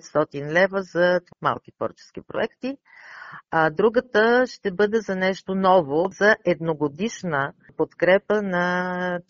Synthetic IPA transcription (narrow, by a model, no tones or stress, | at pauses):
t̪st̪ɔt̪inlɛvəzɐt̪ma̰lˠk̟it̪vɔ̰ɾt͡ʃɛ̥skipɾo̰ɛkt̪i | ad̪ɾuɡət̪əʃt̪ɛbɤd̪ɛzɐnɛʃt̪onɔvozɐʔɛd̪noɡod̪iʃnə | pot̪kɾɛpənɐ